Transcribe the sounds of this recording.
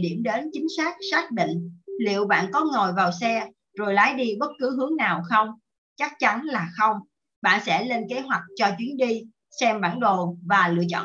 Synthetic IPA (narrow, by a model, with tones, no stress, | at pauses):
ɗi˧˩əmɗe˨˦nt͡ɕï˨˦ŋ̟saː˦˥k̚saː˦˥k̚ɓḭ̈˧˨ŋ̟lḭ˧˨əwɓa̰ː˧˨nkɔ˨˦ŋo˨˩jvaː˨˩wsɛ˧ | zo˨˩jlaː˨˦jɗi˧ɓə˦˥t̚kɨ˨˦ɦɨ˨˦əŋnaː˨˩wxə˧wŋ͡m | t͡ɕa˦˥k̚t͡ɕa˨˦nlaː˨˩xə˧wŋ͡m | ɓa̰ː˧˨nsɛ̰˧˥le˧nke˨˦ɦwa˨˩k̟̚t͡ɕɔ˧t͡ɕwi˨˦ənɗi˧ | sɛ˧mɓaː˧˩nɗo˨˩vaː˨˩lɨ̰˧˨ət͡ɕɔ̰˧˨